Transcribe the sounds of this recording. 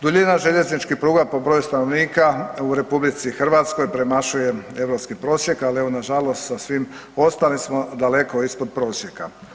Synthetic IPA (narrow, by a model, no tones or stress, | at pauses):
d̪uʎinaʒeʎe̞znit͡ʃkipɾuːɡapo̞bɾojust̪anoʋniːkauɾe̞publit̪sixr̩ʋat̪skojpɾemaʃuje̞e̞ʋɾo̞pskipɾo̞ːsje̞kalieʋo̞naʒalo̞st̪sasʋim | o̞st̪alismo̞d̪ale̞ko̞ispod̪̚pɾo̞ːsje̞ka